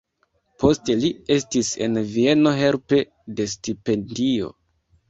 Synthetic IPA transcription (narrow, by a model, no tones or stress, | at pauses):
pʰo̞ste̞lie̞stise̞̰nvie̞no̞ɦe̞ɾpe̞ | de̞stipe̞ndio̞̰